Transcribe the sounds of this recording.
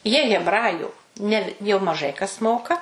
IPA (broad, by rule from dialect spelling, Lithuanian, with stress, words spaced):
jiɛ ɣʲɛbˈrɑːjʊ ˈnʲɛ jɛʊ mɐˈʒɐɪ kɐs ˈmoːkɐ